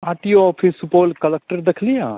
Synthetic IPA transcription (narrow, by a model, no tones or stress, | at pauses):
aːʈijoɔːpʰɪsupoːlkɐlɛk̚ʈəɾd̪ekʰlijãː